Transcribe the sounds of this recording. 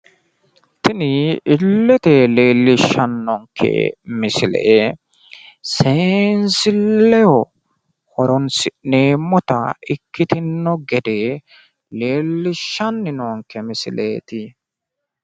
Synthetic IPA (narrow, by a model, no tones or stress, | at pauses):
t̪ɪnɪɪlːɛt̪eleːlːɪʃːɐnːɔŋkʰɛ̰mɪsɪlɛ̰ʔe | seːnsɪlːɛwɔ | hɔɾɔnsɪne̞ːmːɔt̪ɐ̰ɪkːɪt̪ɪnːɔɡɛd̪e | le̞ːlːɪʃːɐnːɪnoːŋkːɛmɪsɪlʔeːt̪ɪ